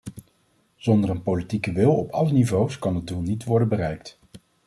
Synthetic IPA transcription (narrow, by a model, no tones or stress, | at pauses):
z̥ɔndərənpowlitikəʋɪlˠɔpɑlənivowskɑnəd̚dulˠnitʋɔɹdənbərɛjkt